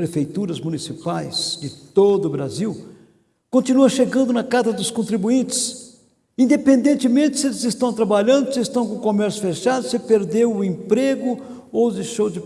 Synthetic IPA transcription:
ɾefejt̪uɾɐzmunisipajz̥d͡ʒɪt̪od̪ʊbɾaziw | kõnt͡ʃ̪inuɐʃeɡɐ̃nd̪ʊnɐkazɐd̪ʊskõnt̪ɾibuĩnt͡ʃ̪ɪ̥s | ĩnd̪epẽnd̪ẽnt͡ʃ̪ɪmẽnt͡ʃ̪ɪ̥sɪelɪzɪst̪ɐ̃w̃t̪ɾabaʎɐ̃nd̪ʊsɪːst̪ɐ̃w̃kõkomɛɾsjʊfeʃad̪ʊsɪpeɾd̪ewʊẽpɾeɡʊ | ozeʃowd͡ʒɪ

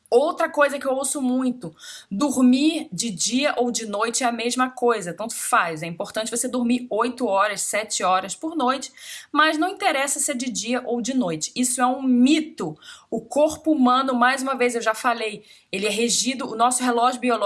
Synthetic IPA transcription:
owt̪ɾɐkojzɐkɪewowsʊmũj̃t̪ʊd̪uɾmiɾd͡ʒɪd͡ʒiɐʔowd͡ʒɪnojt͡ʃɪɛɐmeʒmɐkojzɐt̪ɐ̃nt̪ʊfajzɛĩmpoɾt̪ɐ̃t͡ʃɪvosed̪ʊɾmiɾojt̪ʊɔɾɐssɛt͡ʃɪɔɾɐspʊɾnojt͡ʃɪ̥mɐznɐ̃w̃ĩnt̪eɾɛsɐsed͡ʒɪd͡ʒiɐʔowd͡ʒɪnojt͡ʃɪ̥isʊɛũmit̪ʊʊkoɾpʊumɐ̃nʊmajzũmɐvejzewʒafalej | elɪɛɦeʒid̪ʊʊnɔsʊɦelɔʒɪbiol

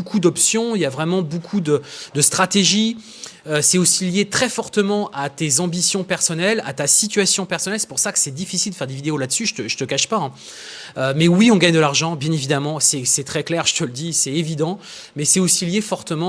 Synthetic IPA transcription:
bokʰud̪ɔpsjɔ̃iljavʁɛmɑ̃bokʰud̪əd̪əst̪χat̪eʒi | øsɛosiljet̪χɛfɔʁt̪əmɑ̃ʔat̪ezɑ̃bisjɔ̃pɛʁsɔnɛla̰t̪asit̪ɥasjɔ̃pɛʁsɔnɛlsɛ̥puʁsakə̥sɛd̪ifisild̪əfɛʁd̪evid̪eolad̪əsyʒət̪əʒət̪əkaʃpaɛ̃ | ømɛwiɔ̃ɡaɲd̪əlaʁʒɑ̃bjɛ̃nevid̪amɑ̃sɛsɛt̪χɛklɛʁʒ̥ət̪ələd̪isɛtevid̪ɑ̃ | mɛsɛosiljefɔʁt̪əmɑ̃

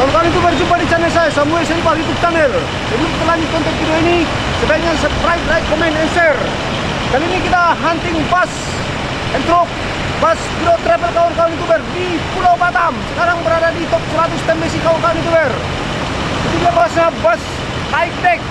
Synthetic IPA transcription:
kaɔnkaɔnit̪̬ubɛrd͡ʒupadit͡ʃanɛlsajasamuɛlsadipait̪up̚t͡ʃanɛl | sad͡ʒut̪əlanikɔnt̪ɛk̪̚fidɔini | səbaɲaspɾajt̪̚rajt̪̚kɔmɛnɛnsɛr | kalinikit̪aɦant̪ɪŋbas | ɛnt̪ɾɔp̚ | baspidɔt̪ɾɛvɛlkaɔnkaɔnit̪̬ubɛrdipulawpat̪amsəkaɾaŋbəɾadadit̪ɔp̚səɾat̪ust̪ɛmbɛsikaɔnkaɔnit̪̬ubɛr | it̪ubilapbasɲabas | haik̪̚dɛk̚

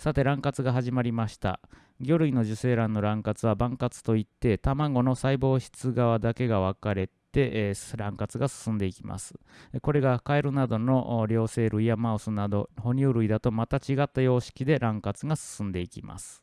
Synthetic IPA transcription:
sat̪e̞ɾãŋkat͡sɨɡaɦaʑimaɾʲimaɕi̥t̪a̰ | ɡʲo̞ɾɯ̟ino̞ʑɨse̞ːɾãnːo̞ɾãŋkat͡sɨβabãŋkat͡sɨ̥t̪o̞it̪ːe̞t̪amaɡo̞no̞saibo̞ːɕi̥t͡sɨɡaβad̪ake̞ɡaβ̞akaɾe̞t̪e̞ʔɾãŋkat͡sɨɡasɨ̥sɨ̃nd̪e̞ikʲima̰sɨ̥ko̞ɾe̞ɡakaeɾɯ̟nad̪o̞no̞ʔɾʲo̞ːse̞ːɾɯ̟iamaɯ̟sɨnad̪o̞ho̞ɲ̟ʲɨːɾɯ̟id̪at̪o̞mat̪at͡ɕiɡat̪ːajo̞ːɕi̥kʲid̪e̞ɾʔãŋkat͡sɨɡasɨ̥sɨ̃nd̪e̞ikʲima̰sɨ̥

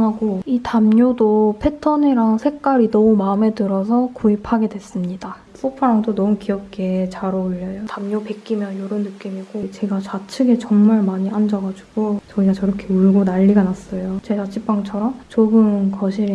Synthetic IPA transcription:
ŋɦaɡoitamɲodopʰe̞tʰʌniɾaŋsʰe̞k͈aɾinʌumaɯme̞tɯɾʌsʰʌkoipʰaɡe̞dwes͈ɯmɲida | s͈opʰaɾaŋtonʌukiʌp̚k͈et͡ɕaɾouʎːʌjotamɲope̞k͈imjʌnjoɾɯnːɯk͈imiɡot͡ɕe̞ɡat͡ɕat͡ɕʰɯɡe̞t͡ɕʌŋmaɭmaɲiʔand͡ʑʌɡad͡ʑuɡ̥ot͡ɕʌiɡat͡ɕʌɾʌkʰe̞uɭɡonaʎːiɡanas͈ʌjot͡ɕed͡ʑat͡ɕʰip͈aŋt͡ɕʰʌɾʌmt͡ɕoɡɯnkʌɕʰiɾ

